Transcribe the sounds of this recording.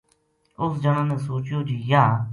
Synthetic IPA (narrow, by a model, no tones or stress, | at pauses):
ʊsd͡ʒənãːnẽːsoːt͡ʃjoːd͡ʒiːjaː